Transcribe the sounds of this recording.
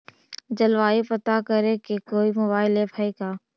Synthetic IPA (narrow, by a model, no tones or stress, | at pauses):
d͡ʒɐlʋaːipɐt̪akəɾẽkekoːimobaːɪlebʱaːikaː